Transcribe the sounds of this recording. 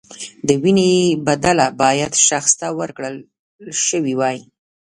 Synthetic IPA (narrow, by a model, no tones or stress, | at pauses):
d̪əwinebad̪alabɑjad̪ʃaxst̪awəɾkɽəl | ʃəwiwɑji